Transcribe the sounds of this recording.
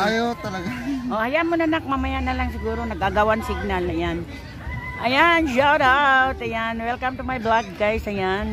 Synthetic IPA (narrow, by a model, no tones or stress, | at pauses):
ajot̪ɐlɐɡaoʔajaʔmonanak̚mamajanalaŋsɪɡuːɾonɐɡaɡawansɪɡ̚nalnajan | ʔajanʃawdawtsajanwɛlkamt̪ʊmajblak̚ɡajsajan